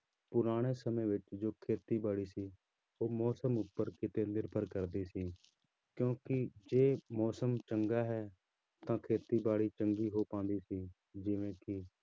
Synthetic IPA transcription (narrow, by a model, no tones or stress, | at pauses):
pʊɾaːɽ̃eːsəmẽːʋɪt͡ʃd͡ʒoːkʰeːt̪iːbaːɽiːsiː | oːmɔːsəmʊpːəɾkɪt̪eːnɪɾpəɾkəɾd̪iːsiː | kjõːkɪd͡ʒeːmɔːsəmt͡ʃəŋɡaːɦɛː | t̪ãːkʰeːt̪iːbaːɽiːt͡ʃəŋɡiːɦoːpãːnd̪iːsiː | d͡ʒɪʋẽːkɪ